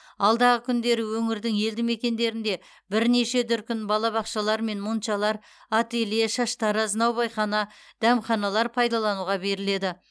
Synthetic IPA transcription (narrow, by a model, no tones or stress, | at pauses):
ɑlˠd̪ɑʁəkʲʰʏnd̪e̞ɾɪwɵŋɪɾd̪ɪŋje̞ld̪ɪme̞kʲe̞nd̪e̞ɾɪnd̪e̞ | bɪɾne̞ʃe̞d̪ʏɾkʲɪnbɑlˠɑβɑqʃɑlˠɑɾme̞nmunt̪ʃɑlˠɑɾ | ɑt̪e̞leʃɑʃt̪ɑɾəznɑwbɑjχɑnɑd̪̥æmχɑnɑlˠɑɾpʰɑjd̪ɑlˠɑnuʁɑbe̞ɾɪle̞d̪ɪ